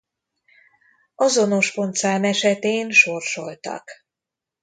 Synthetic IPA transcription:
ɒzo̞no̞ʃpo̞nt̪saːnɛʃɛt̪eːnʃo̞rʃo̞lt̪ɒ̰k

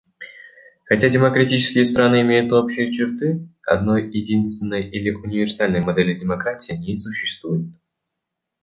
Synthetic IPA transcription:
xɐtʲadʲɪməkɾɐtʲit͡ɕɪ̥skʲɪjəst̪ɾanɨɪmʲejʊt̪o̞pɕːɪjət͡ɕɪrt̪ɨɐ̰d̪no̞jjɪdʲinst̪vʲɪnːəjilʲɪʔʊnʲɪvʲɪrsalʲnəjmɐd̪ɛlʲɪdʲɪmɐkɾatʲɪjnʲisʊɕːɪ̥st̪vujʊt̪̚

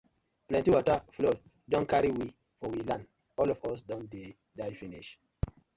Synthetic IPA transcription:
plɛ̃ntiwɔtəflɔd | dɔ̃nkaɹiwi | fɔwilãn | ɔlɔvɔsdɔ̃nde | daɪfinḭʃ

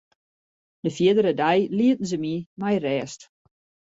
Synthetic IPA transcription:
dəfiədəɾədajliət̚n̩zəmimajrɛːst

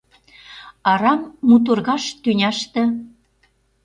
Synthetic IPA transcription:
ɑɾɑmːut̪̬urɣɑʃt̪ynʲɑʃt̪ə̆

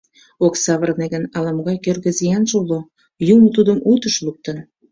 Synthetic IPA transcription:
oksɑβərneɣənɑlɑmɣɑjkørɣə̆zijɑnʒulo | jumət̪ud̪əmʔut̪əʃluk̚t̪ən

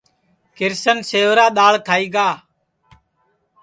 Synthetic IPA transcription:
kɪɾsənseːʋɾaːɗ̪aːɭkʰaːiːɡaː

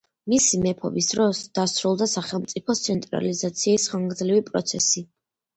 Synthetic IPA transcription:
misimɛpʰɔ̰bisd̪ɾɔsd̪̥asɾulˠd̪asaχɛlˠmt̪sʼipʰɔt̪sʰɛnt̪ʼɾa̰lizat̪sʰiːsχaŋɡd̪zlivipʼɾɔ̰t̪sʰɛ̰si

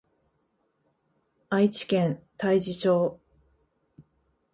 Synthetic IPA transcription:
ait͡ɕi̥kẽnt̪aid͡ʑit͡ɕo̞ː

